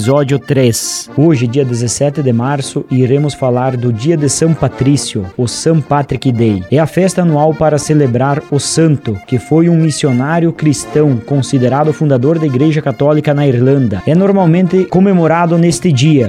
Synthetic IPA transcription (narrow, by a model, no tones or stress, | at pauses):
zɔd͡ʒjʊt̪ɾesoʒɪd͡ʒiɐd̪ezesɛt̪ɪd̪ɪmaɾsʊʔiɾẽmʊsfalaɾd̪ʊd͡ʒiɐd̪ɪsɐ̃w̃pat̪ɾisjʊʊsɐ̃w̃pat̪ɾikid̪ejɛɐfɛst̪ɐːnuawpaɾɐselebɾaɾʊsɐ̃nt̪ʊkɪfojũmisionaɾjʊkɾist̪ɐ̃w̃kõsid̪eɾad̪ʊfũnd̪ad̪oɾd̪ɐiɡɾeʒɐkat̪ɔlikɐnɐiɾlɐ̃nd̪ɐɛnoɾmawmẽnt̪ɪkomemoɾad̪ʊnest̪ɪd͡ʒiɐ